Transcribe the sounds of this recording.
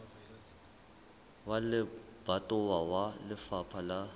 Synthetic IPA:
walɪb̥atʼʊwawalɪfapʰala

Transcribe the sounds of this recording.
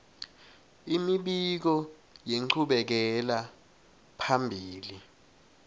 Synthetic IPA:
imiɓik̬ɔ | jeŋ͡ǃʰuɓɛk̬ɛla | pʰambʱiːli

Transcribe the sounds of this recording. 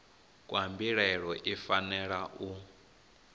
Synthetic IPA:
kʼwambiɺɛɺɔʔifanɛɺaʔu

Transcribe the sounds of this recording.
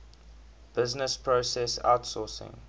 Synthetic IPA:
b̥ɪznəspʰɹosɛsa̰ʊtsɔsɪ̰̃ŋ

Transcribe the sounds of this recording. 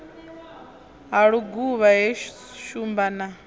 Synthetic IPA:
ɦaɺuɡuβaɦɛ | ʃumbana

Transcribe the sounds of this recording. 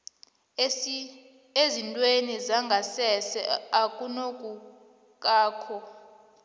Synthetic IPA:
ezintʼwenizaŋɡʱasɛsɛ̰akʼunokʼu | k̬ʼaːkʰɔ

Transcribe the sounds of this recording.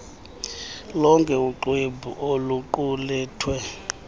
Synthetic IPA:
lɔŋkʼɛuǃwebʱṵʔoluǃulɛːtʰwɛ

